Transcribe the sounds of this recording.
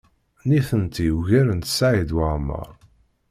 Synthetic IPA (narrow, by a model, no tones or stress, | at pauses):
niθənt̪ijuʝæɾənt̪saʕid̪waʁmə̰ɾˤ